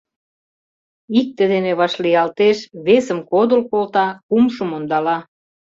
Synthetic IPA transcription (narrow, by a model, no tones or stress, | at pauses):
ik̚t̪ĕd̪eneβɑʃliɑlt̪eʃβesəmkod̪ə̆lkolt̪ɑkumʃəmond̪ɑlɑ